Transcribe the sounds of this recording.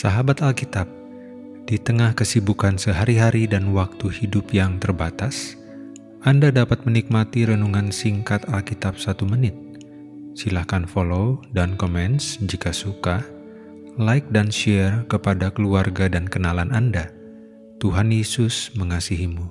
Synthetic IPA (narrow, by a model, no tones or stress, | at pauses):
saɦabat̪alkit̪ap̚ | d̥it̪əŋahkəsibukansəɦaɾiɦaɾidanwak̚t̪uhidʊpjaŋt̪ərbat̪as | ʔandadapat̪̚mənik̚mat̪iɾənuŋansiŋkat̪alkit̪ap̚sat̪umənɪt̪̚ | silahkanfolodankomɛnsd͡ʒikasuka | laɪk̚danʃɛrkəpadakəluarɡadankənalananda | t̪uɦanjesʊsməŋasiɦimu